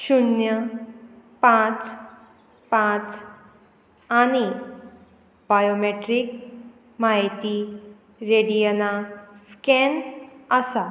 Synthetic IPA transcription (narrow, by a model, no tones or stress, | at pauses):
ɕunjə | pãt͡s | pãt͡s | añi | bajomeʈɾik̚ | majt̪i | ɾeɽijənaskɛnəsa